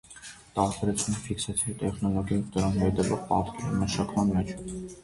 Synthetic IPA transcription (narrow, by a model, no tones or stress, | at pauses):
t̪ɑɾt̪ɛɾɛt͡sʰunəfiksɛt͡sʰit̪ɛχnɔlɔɡjɑjd̪əɾɑnbɛt̪ɛlɔʁpɑt̪kɛɾməʃɑkʰmɑnmɛt͡ʃʰ